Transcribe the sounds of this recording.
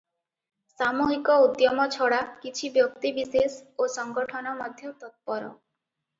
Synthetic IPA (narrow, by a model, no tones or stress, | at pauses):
samuɦikɔud̪jɔmɔt͡ʃʰɔɽakit͡ʃʰibjɔk̚t̪ibisesosɔŋɡɔʈʰɔnɔmɔd̪ʱjɔt̪ɔt̪̚pɔɾɔ̰